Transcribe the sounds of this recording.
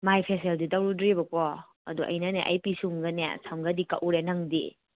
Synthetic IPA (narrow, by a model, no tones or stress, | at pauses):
majpʰeseldidɐwɾudɾibɐkɔ | ɐ̰duʔɐ̰jnɐneʔa̰jpisuŋɡɐnḛsʰamɡɐdikɐ̰ʔuɾenɐŋdḭ